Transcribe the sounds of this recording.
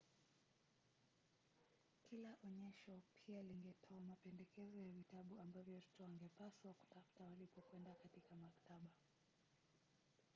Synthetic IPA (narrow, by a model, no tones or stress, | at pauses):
kilaʔɔɲɛʃɔpʰialiŋɡɛtʰɔamapɛndɛkɛzɔjavitaɓuambavjɔtɔ̥tɔwaŋɡɛpaswaku̥tafu̥tawalipɔkwɛndakatikamaktaɓa